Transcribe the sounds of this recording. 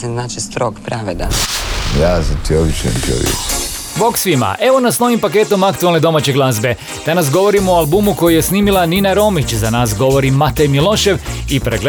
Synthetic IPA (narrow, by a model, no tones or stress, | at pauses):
seznaːt͡ʃest̪ɾokpɾaʋed̪a̰jaːzat̪iobit͡ʃḛnt̪io̰ʋjḛk | boksʋima̰ʔe̞ʋo̞nasno̞ʋimpake̞ːt̪o̞makt̪uelˠne̞d̪o̞maːt͡ɕe̞ɡlˠazbe̞ | d̪̥anasɡo̞ʋo̞ɾimoalˠbumuko̞jije̞sniːmilˠaniːnaɾo̞mit͡ɕzanaːsɡo̞ʋo̞ɾimat̪ejmilo̞ʃe̞ʋipɾeɡle